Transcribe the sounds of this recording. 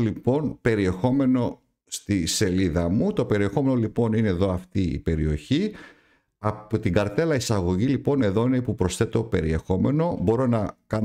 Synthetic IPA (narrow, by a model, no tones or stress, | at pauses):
lipo̞npe̞ɾie̞xo̞me̞no̞ | st̪ise̞liðɐmut̪o̞pe̞ɾie̞xo̞me̞no̞lipo̞nine̞ːðo̞ɐft̪iḭpe̞ɾio̞çi | ɐpot̪iɡɐɾt̪e̞lɐisɐɣo̞ʝilipo̞ne̞ðo̞ineipupɾo̞sθe̞t̪o̞pe̞ɾie̞xo̞me̞no̞bo̞ɾo̞nɐkɐ